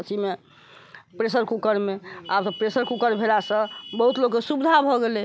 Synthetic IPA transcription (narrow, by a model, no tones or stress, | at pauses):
sʰime | pɾesəɾkukəɾmeabsə̃pɾesəɾkukəɾbʱelasə̃bəɦut̪loɡkːesubid̪ʱabʱɔɡele